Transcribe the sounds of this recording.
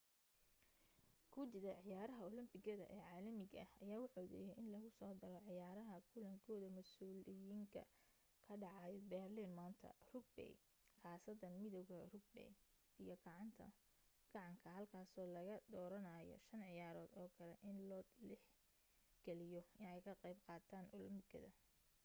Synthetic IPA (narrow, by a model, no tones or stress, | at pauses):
kʰʊd̪ɪðɐʕɪjaːɾɐɦɐɔlɪmbɪɣɐðɐ̰ʔɛːʕɑːlɐmɪɣɐɐhɐjaːʊħɔðɛ̰jɛʔɪnlɐɣʊsɔːd̪ɐɾɔʕɪjaːɾɐɦɐkʰʊlɐŋkʰɔːðɐmɐsuːlɪjiːŋkʰɐ̰ | kʰɐɖɑʕɑjbɛrlinmaːnt̪ʰɐ̰rʊɡ̚bɛ̰j | qɑːsɐðɐnmɪðɔwɣɐrʊɡ̚bɛ̰j | ijɔɡɑʕɑnt̪ʰɐ̰ɡ̥ɑʕɑŋkʰɐhɐlkʰaːsɔːlɐɣɐd̪ɔːɾɐnaːjɔ̰ʃɐnʕɪjaːɾɔːd̪ɔːkʰɐlɛʔɪnlɔːd̪lɪħ | ɡ̥ɛlɪjɔɪnɛjkʰɐqejbqɑːt̪ʰaːnʔʊlɪmbɪɣɐ̰ðɐ